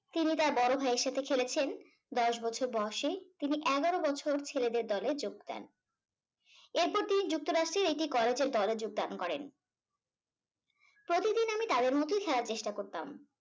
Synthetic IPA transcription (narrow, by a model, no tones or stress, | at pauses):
t̪init̪aɾbɔɾobʱaeɾʃat̪ʰekʰelet͡ɕʰen | d̪ɔʃbɔt͡ɕʰoɾbɔʃet̪iniʔɛɡaɾobɔt͡ɕʰoɾt͡ɕʰeled̪eɾd̪ɔled͡ʑoɡ̚d̪ɛ̰n | eɾpɔɾt̪inid͡ʑuk̚t̪oɾaʃʈɾeɾeʈikɔled͡ʑeɾd̪ɔled͡ʑoɡ̚d̪ankɔɾen | pɾot̪id̪inamit̪ad̪eɾmɔt̪ojkʰɛlaɾt͡ɕeʃʈakoɾt̪am